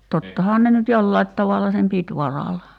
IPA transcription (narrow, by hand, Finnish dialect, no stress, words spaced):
totːɑhɑːn ne nyt jolːɑit tɑʋɑlːɑ sem pit ʋɑrɑlɑ